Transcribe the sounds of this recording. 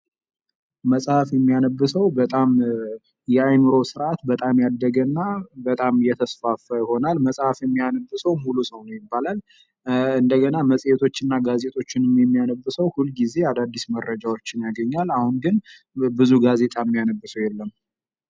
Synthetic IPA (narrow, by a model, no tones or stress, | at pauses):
məsʼhafjɛmːijanəbːɨsəwbət̪ʼam | jɛajmɨɾo̞sɨɾʔat̪bət̪ʼamjad̪ːəɡənːabət̪ʼamjɛt̪ʰəsfafəjɪho̞nalməsʼhafjɛmːijanəbːɨsəwmulusəwnjɪbːalal | ɨnd̪əɡənaməsʼjet̪ʰo̞t͡ʃːɪnːaɡaze̞t̪ʰʼo̞t͡ʃːɪnmjɛmːijanəbːɨsəwhulɡize̞ad̪ad̪ːismərːəd͡ʒawo̞t͡ʃːɪnjaɡəɲːalahunɡɨn | bɨzuɡaze̞t̪ʼamːijanəbːɨsəwjɛlːəmː